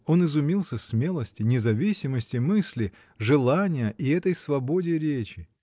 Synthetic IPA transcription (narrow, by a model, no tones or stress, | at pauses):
o̞nɨzʊmʲilˠsʲəsmʲe̞lˠəsʲtʲɪnʲɪzɐvʲisʲɪməsʲtʲɪmɨsʲlʲɪ | ʐɨlˠanʲɪjəʔiɛt̪əjsvɐbo̞dʲɪɾʲet͡ɕɪ